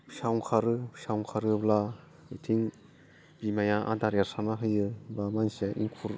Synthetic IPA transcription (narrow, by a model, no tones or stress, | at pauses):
ʃawŋkʰaɾɯsawŋkʰaɾɯbla | ɯtʰiŋ | b̥imajaʔa̰daɾaɾsanaɦɯjɯbamansijaʔḭŋkʰuɾ